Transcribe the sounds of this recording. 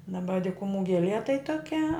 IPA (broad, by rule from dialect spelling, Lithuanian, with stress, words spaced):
dɐˈbɐ dʲɪkʊˈmuː ɡʲɛˈlʲiɛ tɐɪ toːˈkʲɛ